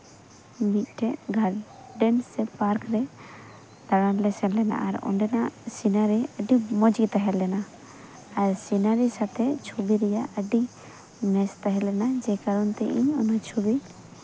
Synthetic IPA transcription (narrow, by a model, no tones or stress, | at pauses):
mit̪̚ˀʈʰɛʔɡʱal | ɖɛnsːɛpaɾkɾɛ | d̪aɽanlɛsɛnlɛna̰ʔa̰ɾɔ̰ɳɖɛnaʔsinaɾiəɖimɔd͡ʒɡit̪aɦɛlɛnaː | ɾsinaɾisat̪ʰɛt͡ʃʰubiɾɛjaʔəɖi | mɛst̪aɦɛlɛnad͡ʒɛkaɾɔnt̪ɛʔiɲɔnat͡ʃʰubi